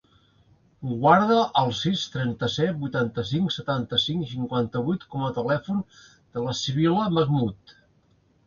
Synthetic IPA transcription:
uɣwaɾðəʔəlˠsist̪ɾɛnt̪əsɛt̪̚bujt̪ant̪əsiŋksət̪ant̪əsiŋs̬iŋkwant̪əβujt̪kɔmət̪əlɛfun | d̪̥ələsiβ̞iləməɣmut̪

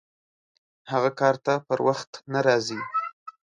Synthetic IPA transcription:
haɣakɑɾt̪apəɾwaxt̪naɾɑzi

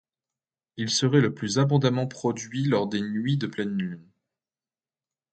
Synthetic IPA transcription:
ilsəʁɛləplyzabɔ̃d̪amɑ̃pχɔd̪ɥilɔʁd̪enɥid̪əplɛnːyn

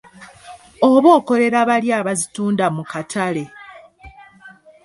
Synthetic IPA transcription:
oβo̞ːko̞le̞ɾaβaljaːβazituːndamukatʰale̞

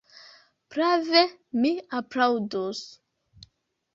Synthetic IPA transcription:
pɾavemiapɾawdos

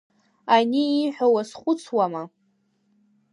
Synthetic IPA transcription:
aniːħʷᶣawasχʷʊt͡sʰwama

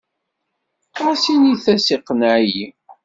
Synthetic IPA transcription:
ʁæsiniθæsiqːnaʕji

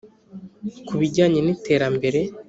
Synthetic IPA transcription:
kuβiɟaːɲenite̞ːɾambe̞ɾe̞

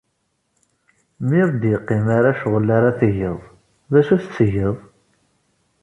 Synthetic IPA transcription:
miɾˤd̪jəqːimaɾaʃʁəlːaɾaθəjəðˤ | ðæʃuθət͡sːəjəðˤ

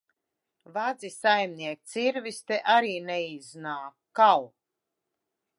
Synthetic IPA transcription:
vad̪zisajmnʲiɛk̚t̪siɾvist̪ɛʔaɾiːneiznaːkkaw

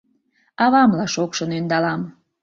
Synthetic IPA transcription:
ɑβɑmlɑʃokʃənynd̪ɑlɑm

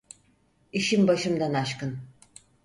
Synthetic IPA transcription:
iʃimbaʃɯmd̪anaʃkɯn

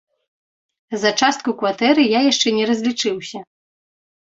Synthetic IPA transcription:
zɐt͡ʂast̪̚kukvat̪ɛɾɨjajaʂt͡ʂɛnʲɛɾɐzʲlʲit͡ʂɨwsʲɐ

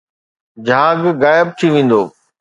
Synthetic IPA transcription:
d͡ʑʱaːɡːaːjɪəb̚t̪ʰiʋẽːn̆d̪o̰ː

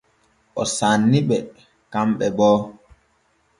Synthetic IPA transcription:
ʔɔsanːiɓɛ | kamɓɛbɔː

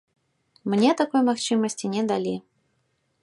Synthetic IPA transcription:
mnʲɛt̪akɔjmaxt͡ʂɨmɐsʲt͡sʲinʲɛd̪alʲi

